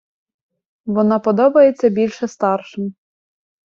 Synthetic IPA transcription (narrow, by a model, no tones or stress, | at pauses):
ʋɔnɑpɔd̪ɔbɐjet͡sʲːɐbʲilʲʃɛst̪ɑrʃɪm